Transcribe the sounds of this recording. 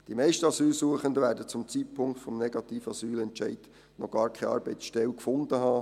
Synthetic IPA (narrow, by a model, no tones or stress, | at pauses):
d̥imɛɪʃtəɑsyːlsuəχənd̪əvæːɾdət͡sʊmt͡siːt̚pʰʊŋkt̪fɔmnɛɡ̥ɑt̪iːfɑsyːlɛntt͡ʃɛɪd̥ | nɔɡ̥ɑːɾkʰɛɑ̰ːɾbɛɪsʃtɛlkfʊnd̥̪əɦɑː